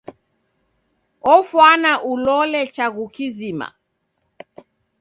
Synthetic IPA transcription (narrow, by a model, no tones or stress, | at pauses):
ɔfwanaʔulɔlɛt͡ʃaɣukizima̰